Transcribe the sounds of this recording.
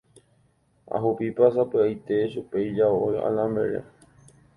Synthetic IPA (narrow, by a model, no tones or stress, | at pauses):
a̰ɦupipasapɨajt̪e̞ʃupejd͡ʒaoja̰lãmḛɾḛ